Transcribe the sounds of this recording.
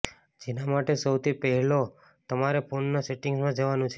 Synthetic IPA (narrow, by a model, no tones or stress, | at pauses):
d͡ʒenamaʈesəwt̪ʰipəɦɛlo | t̪əmaɾepʰonːaseʈɪŋɡzmãd͡ʒəʋanũt͡ʃʰe